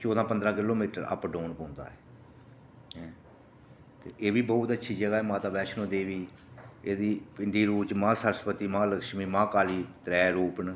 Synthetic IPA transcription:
t͡ʃoːd̪ãːpənd̪ɾaːkɪloːmiːʈəɾə̰pɖõːnpõːnd̪a̰ːɛː | ɦɛ̃ː | t̪eːʔeːʋiːbɔːt̪ətːʃʰiːd͡ʒəɡaːɦɛːmãːt̪aːbɛːʃʰnõːd̪eːʋiː | eːd̪iːpɪɳɖiːɾuːt͡ʃmãːsəɾəspət̪iːmãːləkʃmiːmãːkaːliːt̪ɾɛːɾuːpəɳ

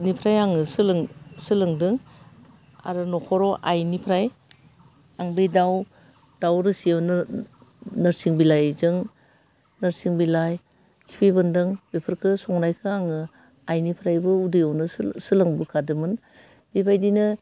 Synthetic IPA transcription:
nipʰɾajaŋɯsɯlɯŋsɯlɯŋdɯŋ | a̰ɾɯnɔkʰɔɾɔʔajnipʰɾaj | aŋbejdaw | d̥awɾɯsiawn | nɯɾsiŋbilajzɯŋ | nɯɾsiŋbilaj | kʰi̥pʰebɯndɯŋbepʰɯɾkʰɯsɔŋnajkʰɯaŋɯ | ajnipʰɾajbɯudɯjawnɯsɯlɯŋbɯkʰadɯmɯn | b̥ebʰajdinɯ

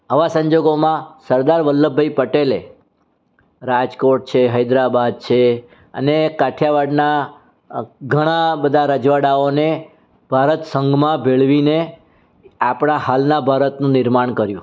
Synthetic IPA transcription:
əʋasə̃ɲd͡ʒoɡomãsəɾd̪aɾʋəlːəbʱəipəʈele | ɾad͡ʒkoʈ̚t͡ʃʰeɦəjd̪ɾabad̪̚t͡ʃʰe | ə̰nekaʈʰjaʋaɖna | ɡʱəɽ̃ãbəd̪ʱaɾəd͡ʒʋaɽaone | b̥ʱaɾət̪səŋɡʱmãbeɭʋine | apɳ̃aɦalnabʱaɾət̪nũnɪɾmaɳkəɾjũ

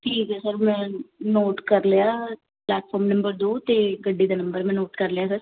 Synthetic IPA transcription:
ʈʰiːkɛsəɾmɛ̃ːnoːʈkəɾlejaː | plɛːʈfʰɔːɾmnə̃mbəɾd̪oːt̪eːɡəɖːiːd̪aːnəmbəɾmɛ̃ːnoːʈkəɾleaːsəɾ

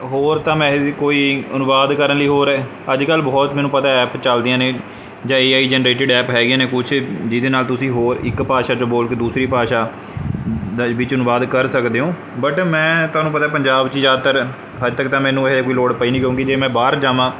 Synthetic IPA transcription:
ɦoːɾt̪ãːmɛ̃ːkoːiːənʊʋaːd̪kəɾənləiːɦoːɾɛː | əd͡ʒkəlːbɔːt̪mɛːnũːpət̪aːɛːpt͡ʃəld̪ijãːneː | d͡ʒãːeːaːiːd͡ʒɛːnɾeːʈɪɖɛːpɦɛːɡɪjãːneːkʊt͡ʃʰd͡ʒɪd̪eːnaːlt̪ʊsĩːɦoːɾɪ̰kpaːʃaːd͡ʒõːboːlkeːd̪uːsɾiːpaːʃaː | ʋɪt͡ʃənʊʋaːd̪kəɾsəkd̪eːõː | bəʈmɛ̃ːt̪ʊaːnũːpət̪aːpəɲd͡ʒaːbt͡ʃid͡ʒaːt̪əɾ | ɦəd͡ʒt̪əkt̪ãːmɛ̃ːnũːeɦd̪eːkoːiːloːɽpəiːnĩːkjõːkɪd͡ʒeːmɛ̃ːbaːɾd͡ʒaːʋãː

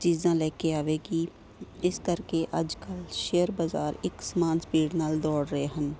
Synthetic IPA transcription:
t͡ʃiːzãːlɛːkeaːʋeːɡiː | ɪskəɾkeʔɐd͡ʒkəlʃeːəɾbazaːɾɪksəmaːnspiːɖnaːld̪ɔːɽɾəɦeɦən

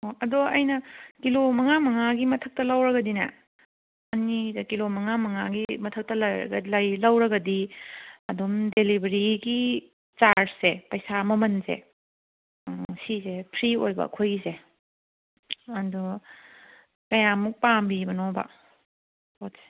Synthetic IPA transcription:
oʔɐdɔɐjnɐkilomɐŋamɐŋaɡimɐtʰək̚tɐlawɾɐɡɐdinɐ̰ | ɐnidɐkilomɐŋamɐŋaɡimɐtʰɐk̚tɐlɐɾ̰ɡlɐjlɐwɾɐɡɐdiɐdumdelibɐɾiɡi | t͡ʃaɾsepɐjsamɐmɐnzḛ | sizepʰɾiojbɐ̰kʰojze | ɐdɔ | kɐjamuk̚pambibɐnɔbɐ̰ | otse̥

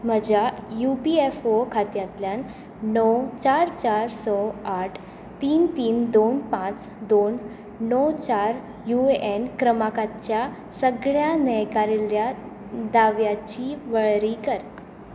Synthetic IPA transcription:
m̤əd͡ʑajupiefokʰat̪jãt̪ljãn | nɔwt͡ɕaɾt͡ɕaɾsɔaʈʰ | t̪iːnt̪iːnd̪onpãt͡s | d̪onː | ɔwt͡ɕaɾ | juʔenkɾəmakat͡ɕja | səɡɭjanɛkaɾilja | d̪aʋjat͡ɕiʋəɭɾikəɾ

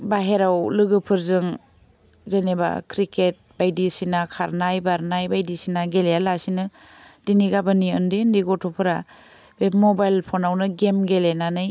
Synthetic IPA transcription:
baɦeɾawlɯɡɯpʰɯɾzɯŋ | zeneba̰kʰɾiket̚b̥ajdisinakʰaɾnajbaɾnajbajdisinaɡelejalasinɯ | d̥iniɡabɯniɯndendiɡɔtʰɔpʰɯɾa | bemɔbajlpʰɔnawnɯɡemɡelenanɯj

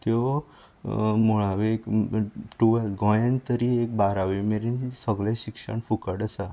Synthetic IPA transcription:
t̪eo | moɭ̃aʋekʈuʋelɡɔjənt̪əɾiek̚baɾaʋimeɾinisəɡleʃikʃə̰ɳfʰukəɽəsa

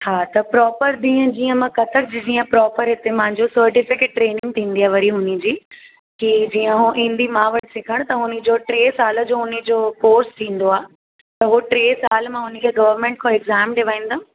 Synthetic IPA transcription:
haːt̪ɐpɾɔːpəɾd̪ĩːə̃d͡ʑiːə̃mãkɐt̪ʰək̚d͡ʑid͡ʑiːə̃pɾɔːpəɾɦɪt̪emãɦɪ̃ɲd͡ʑosɐɾʈɪfɪkeːʈːɾeːnɪ̃ŋɡ̚t̪ʰĩːn̆d̪iaːʋɐɾiɦʊnɪ̆d͡ʑiː | kid͡ʑiːə̃ɦuʔĩːn̆d̪imãːʋɐʈʰɪsɪkʰəɽ̃t̪ɐɦʊnɪ̆d͡ʑoːʈɾeːsaːləd͡ʑoːɦʊnɪ̆d͡ʑoːkoːɾst̪ʰĩːn̆d̪oaːɦ | t̪ɐɦuʈɾeːsaːlmãɦʊnə̆kʰeɡɐʋəɾmẽːɳʈ̚kʰõɪɡzaːmɖɪʋaːĩːn̆d̪a

